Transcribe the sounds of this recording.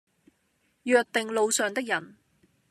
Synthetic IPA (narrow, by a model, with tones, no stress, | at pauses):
jœː˨k̚t̪ɪ˨ŋlo˨˧wsœː˨˩ŋt̪ɪ˥k̚jɐ˨˩n